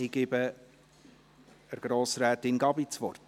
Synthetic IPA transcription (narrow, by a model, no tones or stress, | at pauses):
iɡɪbə | əɾɡ̥ɾoːsɾɛːtɪnɡɑbit͡sʋɔrt